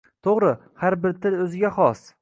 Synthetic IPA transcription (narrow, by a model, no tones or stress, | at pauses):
t̪ʰoʁɾɪ | haɾbɪɾt̪ʰɪlɵzɪɡʲaχɒs